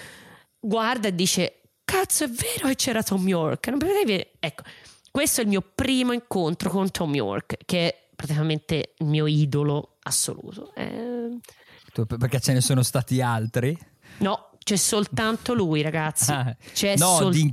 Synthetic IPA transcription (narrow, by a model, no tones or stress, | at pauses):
ɡward̪aed̪ːiːt͡ʃe | kat̪sːoɛvːɛːɾoket͡ʃːɛːɾat̪ɔmjɔrknompet̪ɛjviɛkːo̥ | kːwest̪oɛlmiːopɾiːmoiŋkont̪ɾokont̪ʰɔmjɔ̰rkkeɛ | pːɾat̪ikament̪eilmiːoid̪olo | asːo̰lṵːt̪o̰ɛ̰ | t̪upperket͡ʃːenesoːnost̪aːt̪ialt̪ɾi | nɔ | t͡ʃɛsːolt̪ant̪olujɾaɡat̪sːit͡ʃɛnɔoli